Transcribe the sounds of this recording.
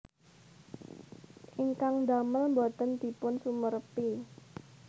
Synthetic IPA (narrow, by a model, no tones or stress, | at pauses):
ʔiŋkaŋd̪aməlmbot̪ənd̪̥i̤pʊnsumərpi